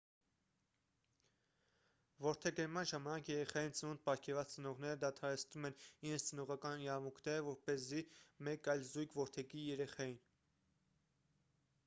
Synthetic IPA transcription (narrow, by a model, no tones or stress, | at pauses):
vɔɾt̪ʰɛɡəɾmɑnʒɑmɑnɑkʰjɛɾɛχɑjint͡sənunt̪̚pɑɾkʰɛɾvɑt͡st͡sənɔʁnɛɾəd̪ɑt̪ʰɑɾɛt͡sʰnumɛniɾɛnt͡sʰt͡sənɔʁɑkɑniɾɑmukʰnɛɾəvɔɾpɛzimɛkɑjlzujkʰvɔɾt̪ʰɛkijɛɾɛχɑjin